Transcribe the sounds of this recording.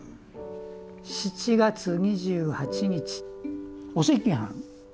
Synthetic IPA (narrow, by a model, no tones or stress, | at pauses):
ɕit͡ɕiɡat͡sɨɲiʑɨːhat͡ɕiɲit͡ɕi̥ | osekʲĩɦã̰ŋ